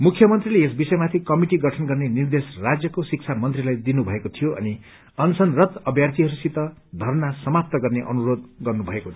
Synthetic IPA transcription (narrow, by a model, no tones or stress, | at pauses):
mukʰjʌmʌnt̪rileesbisʌjmat̪ʰikʌmiʈiɡʌʈʰʌnɡʌrnenird̪esrad͡zjʌkosik̚t͡sʰamʌnt̪rilajd̪inubʱʌekot̪ʰijoʌ̰ni | ʌnt͡sʰʌnrʌt̪ʌbʱjart̪ʰiɦʌɾusit̪ʌd̪ʱʌrnasʌmap̚t̪ʌɡʌrneʔʌ̰nuɾod̪ɡʌrnubʱʌekot̪ʰ